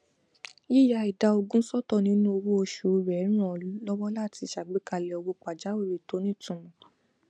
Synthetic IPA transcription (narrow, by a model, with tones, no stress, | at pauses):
ji˦ja˧i˨da˨˧o˧ɡũ˦sɔ˦tɔ˦˨nĩ˦nũ˦o˧wu˦o˧ʃu˨˧˨ɾɛ˨˦ɾ̃ã˦˨u˦lɔ˦wɔ˦la˦˨ti˧˨ʃa˨ɡ͡be˨˦ka˧lɛ˧ɔ˧wo˧k͡pa˨d͡ʒa˨˦we˦˨ɾe˨to˨˦nĩ˦tũ˨mɔ̃˨